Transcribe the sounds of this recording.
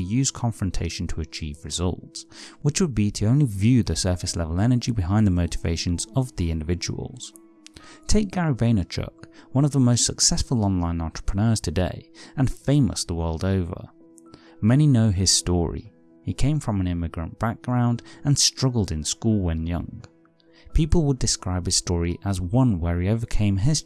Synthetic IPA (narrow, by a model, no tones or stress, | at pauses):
jʉz̥kʰɑ̃ɱfɹɨ̃n̩tʰeɪʃn̩tʰəɨt͡ʃʰivɹɨzʌ̰lˠtswɨt͡ʃwəd̚biɾɨõʊ̃nlivjʉðɨsɜ˞fɨslɛvl̩ˠɛnə˞d͡ʒibɨɦãɪ̃nðəmoʊɾɨveɪʃɨ̃n̩zʌvðiɪ̃ndɨvɪd͡ʒə̰w̰l̩ˠz̥ | tʰeɪk̚ɡ̥æɹɨvẽɪ̃nɨt͡ʃʰkwʌ̃ñʌvðəmoʊstsəksɛsfl̩ˠɑ̃nlãɪ̃nɑ̃nt͡ʃɹ̥ə̥pʰɹ̥ənɜ˞z̥tʰɨdeɪɨ̃nfẽɪ̃mə̰sðəwɜ˞lˠdoʊvə̰˞ | mɛñinoʊɪz̥stɔ̰ɹḭ | ikʰẽɪ̃ɱfɹʌ̃mɨ̃nɪmɨɡɹɨ̰̃nb̥æk̚ɡ̥ɹãʊ̃ndɨ̃nstɹ̥ʌɡl̩ˠdɨ̃nskulˠwɨ̃njʌ̰̃ŋ | pʰipl̩ˠwədɨskɹaɪb̥̚hɨz̥stɔɹiʔəzwʌ̃nwə˞ioʊvə˞kʰẽɪ̃mɦɪs